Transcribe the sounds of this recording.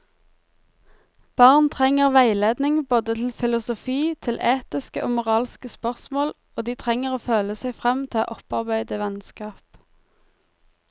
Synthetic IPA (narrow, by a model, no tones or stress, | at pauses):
b̥ɑːʁnt̪ʰʁɛŋəʁʋæɪleːd̪nɪŋboːd̪ət̪ʰl̩fɪlʊsʊfiːt̪ʰɪlʔeːt̪ɪskəʔo̰ːmʊʁɑːlskəspœʁsmoːl | oːd̪iːt̪ʰʁɛŋəʁoːføːləsæɪfʁɛmt̪ʰɛɑ̰ːʔɔpɑʁbæɪd̪əʋɛnskɑːp